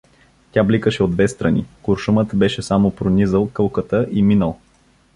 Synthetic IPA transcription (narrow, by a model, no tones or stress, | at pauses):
t̪ʲjablikəʃɛod̪vɛst̪ɾɐnḭkʊɾʃumət̪bɛʃɛsamopɾonʲizəlˠkɤlˠkət̪əʔiminəlˠ